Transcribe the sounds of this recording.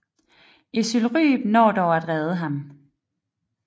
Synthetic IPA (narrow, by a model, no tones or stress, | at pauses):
e̝sylʁy̰ːb̥nɒ̰ːd̥ɒʊæd̥ʁɛðˠəɦɑ̈m